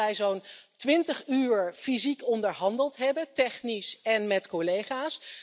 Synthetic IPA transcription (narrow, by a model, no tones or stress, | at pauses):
ɛjzowntʋɪntəχyːɹfizikɔndəɹɦɑndəlˠtɦɛbəntɛχnisɛnmɛtkolejχaːs